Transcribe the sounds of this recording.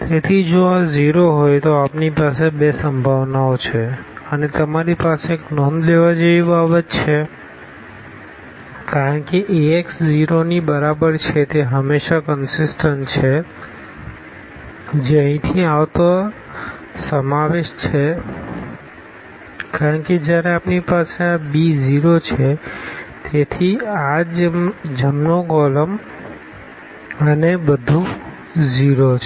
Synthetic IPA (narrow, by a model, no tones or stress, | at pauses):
t̪et̪ʰid͡ʒoaziɾoɦojt̪oapnipasebesəmbʱaʋnaot͡ʃʰeənet̪əmaɾipaseːknɔnleʋad͡ʒeʋibabət̪t͡ʃʰe | kaɾəɳkeʔieksd͡ʒiɾonibəɾabəɾt͡ʃʰet̪eɦəmːeʃakənsɪsʈənt͡ʃʰe | d͡ʒeəĩt̪ʰiaʋt̪o | səmaʋeʃt͡ʃʰe | kaɾəɳked͡ʒjaɾeapnipasabid͡ʒiɾot͡ʃʰet̪et̪ʰiad͡ʒd͡ʒəmnokɔləm | ənebəd̪ʱũ | d͡ʒiɾot͡ʃʰ